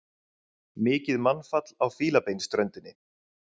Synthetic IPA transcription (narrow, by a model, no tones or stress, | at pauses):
mɪːcɪðmanfat̪lawfiːlapejnst̪ɾœɥnt̪ɪnːɪ